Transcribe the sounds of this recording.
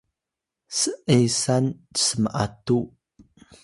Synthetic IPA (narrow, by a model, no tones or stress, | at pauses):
səʔejsanə̥səməʔa̰tu